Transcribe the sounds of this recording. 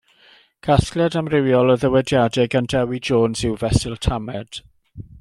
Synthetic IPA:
ɡ̥ʰasklˠɛdamrɪwjɔlˠəðəwɛdjadɛɡandɛwid͡ʒoːnz̥ɪwvɛsɪlˠtʰamɛd̥

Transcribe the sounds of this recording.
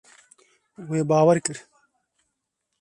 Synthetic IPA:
weːbaːwɐɾkəɾ

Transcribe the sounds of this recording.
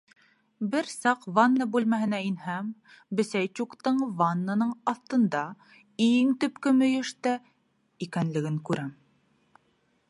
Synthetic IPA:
bɘɾsɑqvanːɤbʉlmæɦɘ̆næinhæm | bɘ̆sæjt͡ɕuqt̪ɤɴvanːanɤɴɑθt̪ɤ̆nd̪ɑ | iŋt̪ɵ̆pkɵmɵ̆jɵ̆ʃt̪æ | ikænlɘ̆ɡɘŋkʉɾæm

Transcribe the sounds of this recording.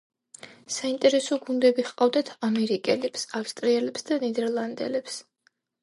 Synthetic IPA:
saint̪ʼɛɾɛsɔɡund̪ɛbiχqʼavd̪at̪ʰamɛɾikʼɛlɛpsafst̪ʼɾiɛlɛpsd̪anid̪ɛɾlˠand̪ɛ̰lɛps

